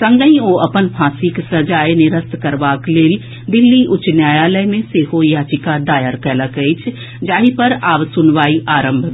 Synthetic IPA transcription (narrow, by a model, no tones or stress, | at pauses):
sə̃ŋɡəĩoʔɐpənpʰãːsiksəd͡ʒaːjnɪɾəst̪ʰkəɾʋaːkleːl | d̪ɪlːiʔʊt͡ʃnjaːjaːləjmẽseːɦojat͡ʃɪkad̪aːjəɾkɛːləkəit͡ʃʰ | d͡ʒaːɦipəɾaːʋsʊnʋaːiʔaːɾə̃mbʱ